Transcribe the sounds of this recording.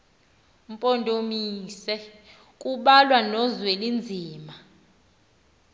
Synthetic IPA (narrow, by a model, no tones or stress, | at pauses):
m̩pʼondʱomisɛ | k̬ʼuɓalwanɔzwelind͡zʱiːma